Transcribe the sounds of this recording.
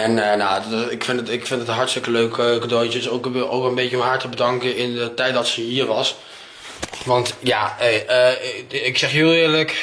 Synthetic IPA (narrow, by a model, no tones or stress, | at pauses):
ɛnənadɪkfɪndətɪkfɪntdətənɦɑɹtstɪkəløɥkəkədojtəsoko̰wkɛlˠəmbeçəəɦaɹtəbədɑŋkənɪndətɛjt̚dɑtsəɦiːɹʋɑs | ʋɑntjaːəəɪksɛχjylˠɪːɹlək